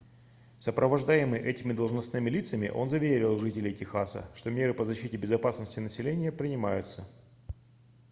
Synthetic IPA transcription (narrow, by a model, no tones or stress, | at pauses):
səpɾʔəvɐʐd̪ajɪmɨjʔɛtʲɪmʲɪd̪əlˠʐnɐsnɨmʲɪlʲit̪səmʲɪ̰ʔo̞̰nzɐvʲeɾʲɪlˠʐɨtʲɪlʲɪjtʲɪxasə̰ʂt̪o̞mʲe̞ɾɨpəzɐɕːitʲɪbʲɪzɐpasnəsʲtʲɪnəsʲɪlʲenʲɪjəpɾʲɪnʲɪmajʊt̪sə